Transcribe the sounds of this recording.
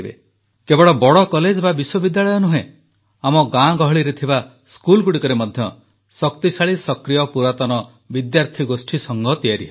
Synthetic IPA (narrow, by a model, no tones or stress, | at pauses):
bḛ | kebɔɽɭɔbɔɽɔkɔled͡ʒbabiswɔbid̪jaɭɔjɔnuɦẽ | amɔɡãɡɔɦɔɭiɾet̪ʰiba | skulɡuɽikɔɾemɔd̪ʱjɔ | sɔkt̪isaɭisɔkɾijɔpuɾat̪ɔnɔ | bid̪jaɾt̪ʰiɡosʈʰisɔŋɡɔt̪ijaɾiɦe